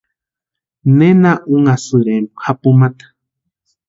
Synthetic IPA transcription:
nenãʔuŋasɨɾeɾuhapumãt̪ḁ

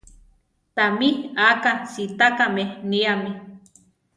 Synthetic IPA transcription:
t̪amiakansit̪akameniami

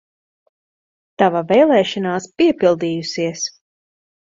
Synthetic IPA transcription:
t̪avavɛjlˠɛːʃɑnaːspiɛpilˠd̪iːjusiɛs

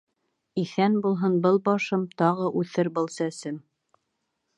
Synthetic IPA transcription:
iθænbulˠɦɤnbɤlˠbɑʃɤmt̪ɑʁɤʔʉθɘɾbɤ̆lˠsæsɘm

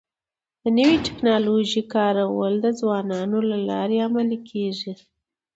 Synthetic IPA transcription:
d̪̥ənəwiʈɪ̥knɑloʒikɑɾawəld̪əd͡zwɑnɑnolalɑ̰ɾeamalikʰeʐi

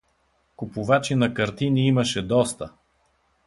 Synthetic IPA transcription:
kʊpʊvat͡ʃinɐkɐɾt̪iniimɐʃɛd̪ɔst̪ə

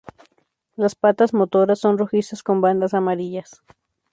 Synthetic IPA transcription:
laspat̪azmot̪oɾasːo̞nroxist̪asko̞mband̪asamaɾiʎas

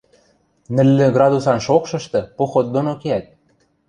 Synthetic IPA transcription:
nɘ̆lːɘ̆ɡrɑd̪usɑnʃokʃɤ̆ʃt̪ɤ̆poxot̪̚d̪onokeæt̪̚

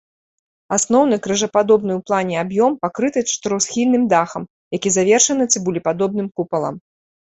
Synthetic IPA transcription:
asnɔwnɨkɾɨʐɐpad̪ɔbn̪ɨwplˠanʲɛabjɔmpakɾɨt̪ɨt͡ʂt̪ɾɐwsxʲilʲnɨmd̪axɐm | jakʲizavʲɛrʂɐnɨt̪sɨbulʲipad̪ɔb̚nɨmkupɐlˠɐ̰m

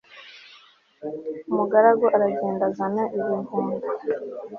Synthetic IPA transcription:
umuɡaɾaɡoʔaɾaɟeːndazanaʔiβinuːmi

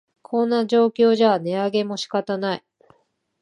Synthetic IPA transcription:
kʰõ̞nːad͡ʑo̞ːkʲo̞ːʑane̞aɡe̞mo̞ɕi̥kat̪anai

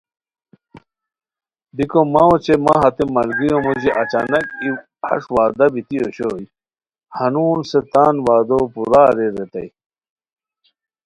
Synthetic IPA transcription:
b̪ikomaot͡ɕemaɦɐt̪emɐlɡijomoʑiʔɐt͡ɕaːnɐki | hɐ̰ʂwaːd̪ɐbit̪ijoɕoːji | hɐnuːnset̪aːnwaːd̪opuɾaːɾeɾet̪ɐ̰j

